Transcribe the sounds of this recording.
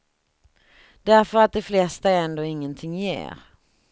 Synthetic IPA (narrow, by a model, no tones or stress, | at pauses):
d̪̥æɾfœɾat̪̚d̪ɛflɛst̪aɛnd̪oːɪŋːənt̪ʰɪŋːjḛːɾ